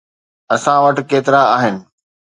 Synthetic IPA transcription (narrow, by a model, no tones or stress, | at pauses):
ɐsãʋɐʈ̆keːt̪ɪɾaaːɦɪnɪ̆